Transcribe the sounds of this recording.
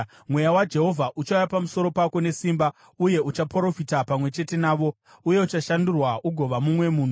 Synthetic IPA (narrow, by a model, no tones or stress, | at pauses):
mwe̞jawad͡ʒe̞ɦo̞vʱaʔut͡ʃaujapamusoɾo̞pako̞ne̞simba | uje̞ut͡ʃapɾo̞fitapamwe̞t͡ʃe̞te̞naːʋo̞ | uje̞ut͡ʃaʃandurwaʔuɡʱo̞ʋamumwe̞muːn̤u